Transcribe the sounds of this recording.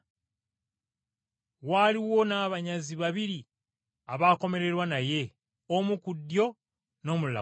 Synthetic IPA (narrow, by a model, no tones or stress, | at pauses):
waːliwo̞naːβaɲaziβaβiɾi | aβaːko̞me̞ɾe̞ɾwanaje̞ | omukudːjo̞ | no̞ːmula̰